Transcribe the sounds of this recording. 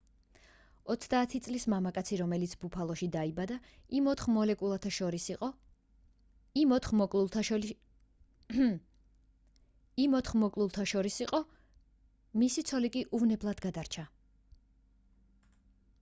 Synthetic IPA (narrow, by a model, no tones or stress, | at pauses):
ɔt̪sʰd̪aːt̪ʰit̪sʼlismamakʼat̪sʰiɾɔmɛlit̪sʰbupʰalˠɔʃid̪aibad̪aimɔt̪χmɔlɛkʼulˠat̪ʰaʃɔɾi | mɔt̪χmɔkʼlʰ | imɔt̪χmɔkʼlˠulˠt̪ʰaʃɔɾisiqʼɔ | misit̪sʰɔlikʼiʔuvnɛblˠad̪ɡad̪aɾt͡ʃʰa